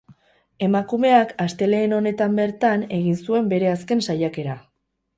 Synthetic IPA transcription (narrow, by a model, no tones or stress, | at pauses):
e̞makume̞akast̪e̞le̞ːno̞ne̞t̪ambe̞ɾt̪ane̞ɣinsue̞mbe̞ɾe̞aske̞nsajake̞ɾa